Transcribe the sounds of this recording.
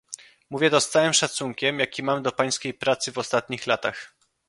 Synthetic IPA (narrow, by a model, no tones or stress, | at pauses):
muvʲjɛd̪ɔst̪awɘmʂat̪suŋkʲɛmjakʲimamd̪ɔpaj̃skʲejpɾat̪sɘvɔst̪at̪̚ɲixlat̪a̰x